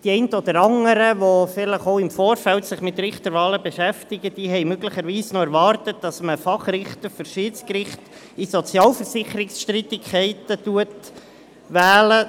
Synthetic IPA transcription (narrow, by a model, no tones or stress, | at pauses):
d̥iɛɪntəɔd̪əɾɑŋəɾəʋofɪləχoʊɪmfoːɾfɛltsɪχmɪtɾɪχt̪əɾʋɑːləbeʃæftɪɡəd̥iːɦɛɪmøɡləχəɾʋiːsnoɛɾvɑːɾtət̚d̥ɑsməfɑχrɪχt̪əɾføɾʃiːtt͡skɾɪχt | isɔt͡sjɑːlfəɾsɪχəɾɪksʃtɾitɪkʰɛɪtətuət | ʋæːlə